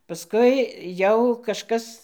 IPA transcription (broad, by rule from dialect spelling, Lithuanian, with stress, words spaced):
pɐˈskʊɪ ˈjɛʊ kɐʃˈkɐs